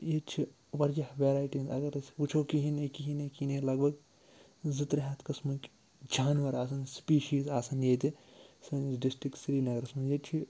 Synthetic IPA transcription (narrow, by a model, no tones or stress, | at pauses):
jet͡ʃʰi | ʋɐɾd͡ʒɐhʋeːɾaːjʈinzɐɡɐɾsput͡ʃʰoːkiɦinekiɦinekinelɐɡ̚bɐɡ | zɨt̪ɾɦat̪ʰkɐsmuk | d͡ʒaːnʋɐɾaːsɐnspiːʃiːzaːsɐnjeːt̪isɐnɖisʈɾikʈsɾiːnɐɡɐɾɐsmujet͡ʃʰi